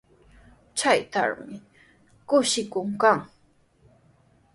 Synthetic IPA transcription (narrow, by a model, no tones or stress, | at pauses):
t͡ʃajt̪a̰ɾmɪ | kʊʃɪkʊŋkaŋ